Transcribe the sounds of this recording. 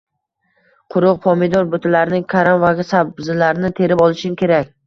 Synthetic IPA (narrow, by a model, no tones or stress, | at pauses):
qʰʊɾʊq̚pʰɒmid̪ɒɾbʊt̪ʰɪlaɾnɪŋkʰaɾamvaɡʲasabbzɪlaɾnɪt̪ʰe̞ɾɪpɒlˠɪʃɪmkʲʰe̞ɾakʲ